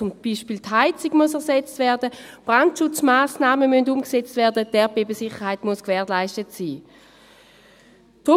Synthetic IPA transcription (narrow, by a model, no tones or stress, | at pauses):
t͡sʊmb̥iʃpiːltɦaɪt͡sɪɡmuəsɛɐsɛt͡stvɛɐdəb̥ʁantʃʊt͡smaːsnaːməmyndumkset͡stvɛɐdətɛbeːbəsɪχəʁɦhaɪtmuskvɛːʁlaɪstətsiː | tʁu